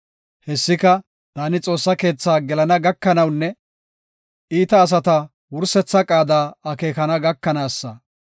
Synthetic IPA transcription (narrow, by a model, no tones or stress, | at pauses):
hɛsːɪkɐ | d̪̥aːnɪt͡sʼo̞ːsːɐke̞ːt͡sːaːɡɛlɐnɐɡɐkːɐnɐwnːɛ | iːt̪ɐːs̬ɐt̪ɐ | wʊɾsɛt͡sːɐkʼaːd̪aːɐke̞ːkɐnɐɡɐkːɐnaːsːɐ